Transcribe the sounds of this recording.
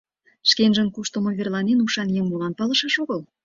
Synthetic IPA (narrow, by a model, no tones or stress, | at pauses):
ʃkenʒə̆nkuʃt̪ŏmoβerlɑnenuʃɑnjeŋmolɑnpɑlə̆ʃɑʃoɣəl